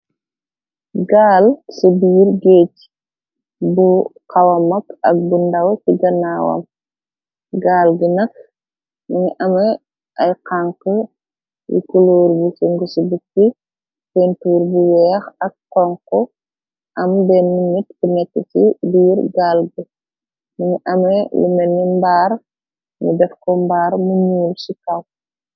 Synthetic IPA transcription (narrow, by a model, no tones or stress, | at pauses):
ɡaːlsəbiːɾɡeːc | buqɐwɐmɐkɐk̚bundɐwsiɡɐnaːwɐ̰m | ɡaːlɡinɐk̚ | miŋʔɐmɐ | ʔɐjqaŋkə | jḭkuloːɾbusuŋɡusubukːi | fɛntuːɾbuwɛːxɐk̚ːɔŋkɔ | ʔɐmbɛnːunit̚bunɛkːəsibiːɾɡaːlɡə | miŋiʔɐmɐlṵmɛnːimbaːr | nṵdɛfkɔmbaːɾmuɲuːlsikɐw